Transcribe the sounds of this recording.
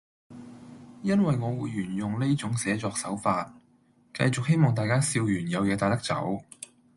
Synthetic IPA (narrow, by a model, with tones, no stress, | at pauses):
jɐ˥nwɐ˨jŋɔː˨˧wuː˨˧jjːyː˨˩njʊ˨ŋle˥t͡sʊ˨˥ŋsɛː˨˥t͡sɔː˧k̚sɐ˨˥wfaː˧t̚ | kɐ̰˧jt͡sʊ˨k̚he˥jmɔː˨˩ŋt̪aː˨jkaː˥siː˧wjyː˨˩njɐ˨˧wjɛː˨˧t̪aː˨˧t̚t̪ɐ˥k̚t͡sɐ̰˨˥w